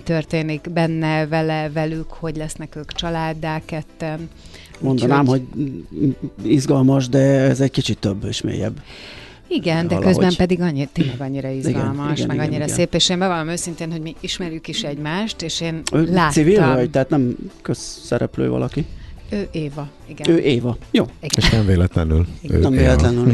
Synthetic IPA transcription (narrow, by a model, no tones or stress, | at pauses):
t̪ørt̪eːniɡbɛnːɛvɛlɛvɛlykho̞ɟlɛsnɛkøːkt͡ʃɒlaːd̪ːaːkɛt̪ːɛn | mond̪ɒnaːmho̞ɟ | izɡɒlmɒʃd̪ɛɛzɛɟkit͡ʃit̪ːøbːeʃmḛːjɛ̰b | iɡɛnd̪ɛ̰lkøzo̰bɛmpɛd̪iɡɒɲːit̪eːnlɛɡɒɲːiɾɒiziɡɛ̰nlmɒʃɡɛnmɛiɡɒɲɲːiɾɒsseːpeːʃeːmbɛvɒnomøːsint̪eːnhoɟmiiʃmɛɾjykiʃɛɟmaːʃt̪eːʃeːnøːlaːsivilvɒɟt̪ɛɦaːt̪nɛmkøzːɛɾɛ̰plø̰ːvɒ̰lʔɒkiøːʔeːvɒ | iɡɛøːʔeːvɒjoːiɡeʃʃnɛmveːlɛt̪lɛny̰liø̰nɛmveːlɛt̪lɛnyl